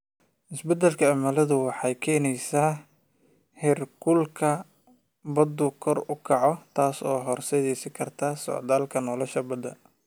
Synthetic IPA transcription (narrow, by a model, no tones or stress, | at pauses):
ʔɪsbɛd̪ɛlkʰɐːmɐlɐðʊwɑħɑjkʰɛːnɛjsaː | hɛrkʰʊlkʰɐ | bɐd̪ʊkʰɔrʊkʰɑʕɔt̪ʰaːsɔ̰ːɦɔrsɛðɛsɪkʰɐrt̪ʰɐsɔ̰ʕd̪aːlkʰɐnɔːlɔʃɐbɐd̪ɐ